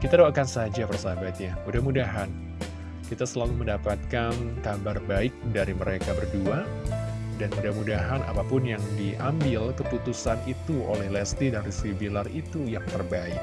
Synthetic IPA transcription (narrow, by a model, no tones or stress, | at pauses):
kit̪adawakansəɦad͡ʒapərsabat̪̚jamudahmudaɦan | kit̪asəlaluməndapat̪̚kankabarbaɪk̚daɾiməɾekabərdua | danmudahmudaɦana̰papʊnjaŋdiʔambɪlkəput̪usanit̪uʔo̰lɛhlɛst̪idanrisibilarit̪ujaŋt̪ərbaɪk̚